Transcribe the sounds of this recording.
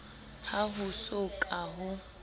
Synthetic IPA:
haɦʊsʊkʼaɦʊ

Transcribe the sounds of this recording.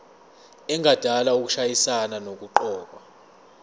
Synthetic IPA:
ɛŋʱad̥ʱalauk̬u̥ʃajisananok̬uǃɔːk̬a

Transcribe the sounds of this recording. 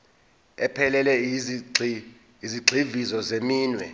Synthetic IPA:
ɛpʰɛlɛlɛ | iziɡ͡ǀʱivizɔzemiːnwɛ̰

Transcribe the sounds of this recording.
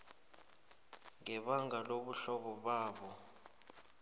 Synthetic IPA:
ŋɛɓaŋɡaloɓuɬɔɓɔɓaːɓɔ

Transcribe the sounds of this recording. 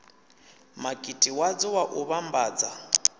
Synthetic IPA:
makʼitʼiwad͡zɔwaʔuβambaːd͡za

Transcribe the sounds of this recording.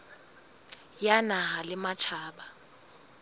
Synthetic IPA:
janaɦalɪmat͡ʃʰaːɓa

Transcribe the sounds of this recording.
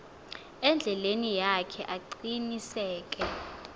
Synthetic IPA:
ɛnd͡ɮʱɛlenijakʰɛʔaǃinisɛːk̬ʼɛ

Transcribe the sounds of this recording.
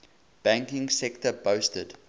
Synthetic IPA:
b̥æ̃ŋkɪ̃ŋsɛktəbəstəd

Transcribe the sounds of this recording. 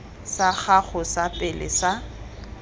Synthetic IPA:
saɣaɣʊsapʼɪlɪ̰sa

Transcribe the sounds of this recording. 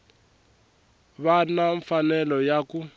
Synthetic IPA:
βanaɱfanɛlɔjaku

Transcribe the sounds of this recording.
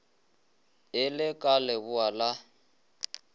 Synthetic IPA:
ɪlɪkʼalɛβʊala

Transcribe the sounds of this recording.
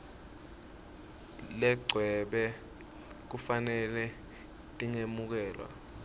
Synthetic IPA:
lɛɡ͡ǀʱwɛɓɛ | k̬ufanɛlɛ | tʼiŋemuk̬ɛːlwa̰

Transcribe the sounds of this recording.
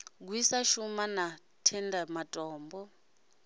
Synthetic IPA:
k̬wisaʃumana | tʰɛndamatʼɔːmbɔ

